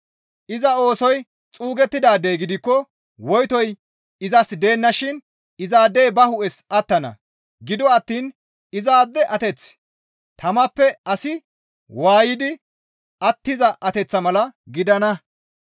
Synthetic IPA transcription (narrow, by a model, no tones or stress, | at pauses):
ʔɪzɐo̞ːsɔj | t͡sʼuːɡɛt̪ːɪd̪aːd̪ejɡɪd̪ɪkːɔ | wɔjt̪ɔj | ɪzɐsd̪e̞ːnːɐʃɪn | ɪzaːd̪eːbɐhʊʔɛsɐt̪ːɐnɐ̰ | ɡɪd̪ɔɐt̪ːiːn | ɪzaːd̪ːɛʔɐt̪ɛt͡s | t̪ʰɐmɐpːɛɐsɪ | waːjɪd̪ɪ | ɐt̪ːɪzɐʔɐt̪ɛt͡sːɐmɐlɐɡɪd̪ɐnɐ